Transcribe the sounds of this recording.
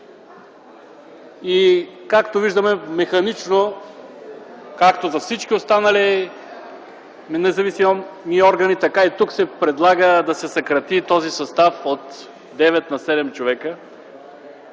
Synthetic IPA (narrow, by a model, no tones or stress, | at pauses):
ikakt̪oviʒd̪əmɛmɛxɐnit͡ʃno | kakt̪ozɐfsit͡ʃkʲiost̪anɐli | nɛzɐvisimomiɔɾɡɐnit̪ɐkait̪uksɛpɾɛd̪lˠaɡəd̪ɐsɛsɐkɾɐt̪it̪ɔzisɐst̪afot̪ | d̪ɛvɛt̪nɐsɛd̪ɛmt͡ʃovɛkə